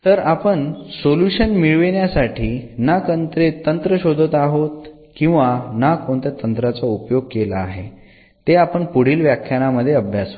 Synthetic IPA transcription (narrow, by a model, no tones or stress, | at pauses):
t̪əɾapəɳsoluɕənmiɭʋeɳjasaʈʰiːnakənt̪ɾet̪ənt̪ɾəɕod̪ʱət̪aɦot̪ | kĩw̃ʋanakoɳt̪jat̪ənt̪ɾat͡saupjoɡ̚kelaːɦe | t̪eapəɳpuɽ̤iːlʋjakʰjanaməd̪ʱːjeəbʱjasə